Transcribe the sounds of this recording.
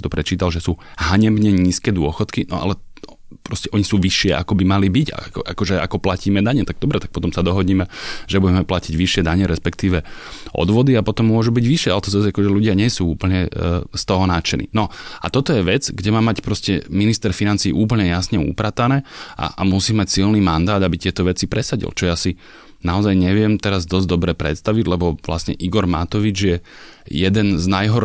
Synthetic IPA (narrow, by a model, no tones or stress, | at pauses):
t̪ɔ̥pɾɛt͡ʃiːt̪alʒɛsuː | ɦaɲɛbɲɛɲiːskɛːd̪ʊɔxɔt̪kinɔ̰a̰lɛ | pɾɔscɛʔɔɲisuːʋiʃɪɛʔa̰kɔbimalibica̰kʔakɔʒɛa̰kɔplaciːmɛd̪aɲɛt̪aɡ̚d̪ɔbɾɛt̪ak̚pɔt̪ɔmsad̪ɔɦɔɟiːmɛʒɛbuɟɛmɛplaciɟʋiʃɪɛd̪aɲɛɾɛspɛkt̪iːʋɛʔɔ̰d̪ʋɔd̪iapɔt̪ɔmːʊɔʒubiɟʋiʃɪɛalɛt̪ɔzazakɔʒɛʎuɟɪaɲɛsuːuːpl̩ɲɛst̪ɔɦɔnaːt͡ʃɛnḭnɔa̰t̪ɔt̪ɔjɛʋɛd͡zɡɟɛmaːmacpɾɔscɛminist̪ɛɾfinant͡siːʔuːp̬l̩ɲɛjasɲɛṵpɾat̪anɛːʔa̰ʔamusiːmacsilniːmand̪aːd̪abit̪ɪɛt̪ɔʋɛt͡sipɾɛsaɟḭlt͡ʃɔjaːsi | naɔzajɲɛʋɪɛmt̪ɛɾazd̪ɔzd̪ɔbɾɛpɾɛ̰t̪st̪aʋiɟlɛbɔʋla̰sɲɛ̰ʔiɡɔɾma̰t̪ɔʋid͡ʒjɛ | jɛd̪ɛnznajɦɔɾ